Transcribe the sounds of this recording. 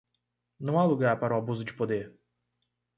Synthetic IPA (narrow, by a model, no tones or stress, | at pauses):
nɐ̃w̃aluɡaɾpaɾũabuzud͡ʒi̥pod̪e